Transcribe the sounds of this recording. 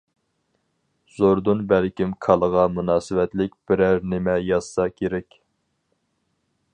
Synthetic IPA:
z̥oɾd̪unbælkʲimkʰɑlˠəʁɑmunɑːsɨwɛt̪lɪkʲb̥ɪɾæɾnɪmɛjɑsːɑkʲʰeɾɛkʲ

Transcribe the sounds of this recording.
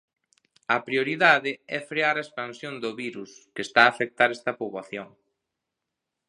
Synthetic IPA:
ɐpɾioɾiðaðɪɛfɾeaɾaespansjond̪oβiɾuskɪest̪aːfek̚t̪aɾɛst̪ɐpoβaθjoŋ

